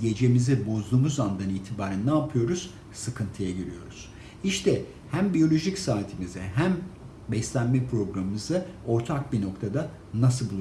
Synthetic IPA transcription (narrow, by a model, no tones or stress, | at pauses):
ɟe̞d͡ʒe̞mizibo̞zd̪uːmuzand̪aniːt̪ʰibaːɾænːaːpʰɯjo̞ɾuz̥ | sɯkʰɯnt̪ʰɯjaɟøɾḭjo̞̰ɾuz̥ | iʃt̪ʰɛ | hæmbijo̞lʲo̞ʒicsaːt̪ʰimizɛɦæm | bɛslʲænmɛpʰɾo̞ɡɾamɯmɯzɯo̞ɾt̪ʰak̚bino̞kt̪ʰad̪a | nas̬ɯlˠbulˠ